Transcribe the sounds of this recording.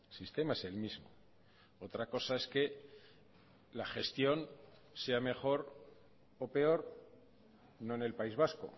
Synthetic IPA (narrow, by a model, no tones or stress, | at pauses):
sist̪e̞maese̞lmizmo̰ | o̞t̪ɾako̞sae̞ske̞ | laxe̞st̪jo̞n | se̞ame̞χo̞ɾ | o̞pe̞o̞ɾ | no̞ene̞lpaizβ̞asko̰